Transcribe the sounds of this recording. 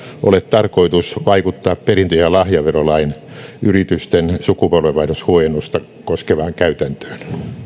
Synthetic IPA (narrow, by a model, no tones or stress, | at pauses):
ʔo̰let̪t̪ɑrkoit̪usʋɑikut̪ːɑːpperint̪øjɑlɑhjɑʋerolɑin | yrit̪yst̪ensukupolʋeʋɑinoshuojenːust̪ɑ | koskeʋɑːŋkæyt̪ænt̪ø̥ːn